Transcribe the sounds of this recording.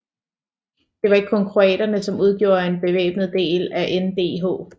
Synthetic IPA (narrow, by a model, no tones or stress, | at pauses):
d̥e̝ʋɑ̈e̝ɡ̥̚kʰɒ̽ŋkʰʁuɛ̰ːɾ̥ɐnəsɒ̽muð̞ˠɡ̥jo̝̰ːɐe̝nb̥e̝ʋḛːb̥nð̩ˠd̥e̝̰ːlæʔend̥e̝̰ːɦo̝̰ː